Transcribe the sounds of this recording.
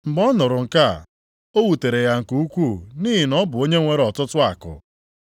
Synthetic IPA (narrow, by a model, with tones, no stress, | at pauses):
m̩˨bɔ˦nʊ˨ɾʊ˨ŋ̩˨ka˦˨ | o˦wu˨te˨ɾe˨ja˨ŋ̩˨ku˨u˦kʷu˦˨niː˦ɦi˨nɔ˦bʊ˨o˦ɲe˦ŋʷe˦ɾɔ˨tʊ˦tʊ˦a̰˨kʊ̰˨